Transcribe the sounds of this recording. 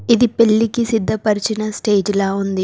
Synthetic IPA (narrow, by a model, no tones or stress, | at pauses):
id̪ipe̞ɭːikisid̪ʱːɐpɐɾit͡ʃinɐsʈe̞ːd͡ʒlaːund̪i